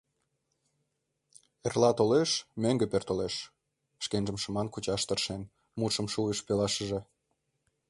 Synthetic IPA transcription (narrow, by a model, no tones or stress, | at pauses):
erlɑt̪oleʃmøŋɡĕpert̪oleʃ | ʃkenʒəmʃə̆mɑnkut͡ɕɑʃt̪ərʃen | mut̪ʃəmʃuəʃpelɑʃəʒe